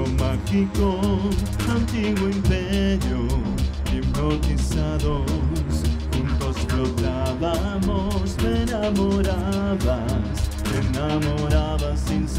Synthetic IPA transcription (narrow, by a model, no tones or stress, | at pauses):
omakiko | ɐ̃nt̪iɡʊĩmpɛɾju | ẽkot̪isaðoɾɾskũnd̪ospɾoɡɾavamosenamoɾavɐs | enamoɾavɐsẽñs